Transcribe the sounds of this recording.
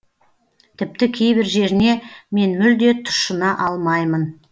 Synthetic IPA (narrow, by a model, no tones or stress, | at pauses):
t̪ʰɪp̚t̪ɪkʲʰe̞jbɪɾʒe̞ɾɪne̞me̞nmʏld̪e̞t̪ʰʊ̥ʃənɑʔɑlˠmɑjmən